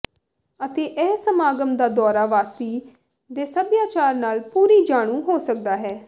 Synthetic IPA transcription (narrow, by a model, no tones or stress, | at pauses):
ət̪eːʔɛːsəmaːɡəmd̪aːd̪ɔːɾaːʋaːst̪iː | d̪eːsəbjaːt͡ʃaːɾnaːlpuːɾiːd͡ʒaːɽ̃ũːɦoːsək̚d̪aːɦɛː